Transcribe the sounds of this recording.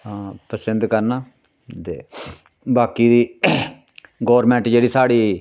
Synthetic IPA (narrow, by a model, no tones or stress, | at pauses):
ɦãːpɾəsɪnd̪kəɾnaː | t̪ḛː | baːkiːd̪iː | ɡoːɾmɛ̃ːɳʈd͡ʒeːɽiːsaːɽiː